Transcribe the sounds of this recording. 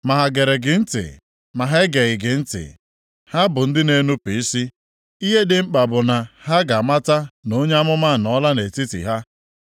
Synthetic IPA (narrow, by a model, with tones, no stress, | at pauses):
ma˨ɦa˨ɡe˨ɾe˨ɡɪ˨n̩˦tɪ̰˨ | ma˨ɦe˦ɡe˨ɣɪ˨ɡɪ˨n̩˦tɪ̰˨ | ha˦bʊ˨n̩˦dɪ˦ne˦nu˦pi˨i˦si˦ | i˦ɦe˦dɪ˦˨ŋ͡m̩˦k͡pa˨bʊ˨na˨ha˦ɡa˨ma˦ta˦no˦ɲe˦a˦mʊ˦ma˦˨nɔ˦la˦ne˨ti˦tḭ˨ɦa˦